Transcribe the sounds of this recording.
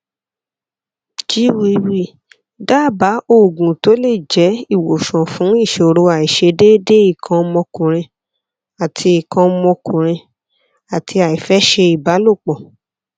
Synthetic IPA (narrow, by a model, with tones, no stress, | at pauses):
t͡ʃi˦wi˦wi˦ | daː˦˨ba˨˦o˦˨ɡũ˨to˨˦le˦˨d͡ʒɛ˨˦i˦˨wo˨ʃɔ̃˨fũ˨˦i˦˨ʃo˨˧ɾo˧a˨i˨ʃe˧de˦de˦i˦˨kʰã˧mɔ̃˧kũ˨ɾ̃ĩ˧ | a˨tʰi˧i˨kã˧mɔ̃˧kũ˨ɾ̃ĩ˧ | a˨tʰi˧a˨i˨fɛ˨˦ʃe˧i˨ba˨˦lo˦˨k͡pɔ˨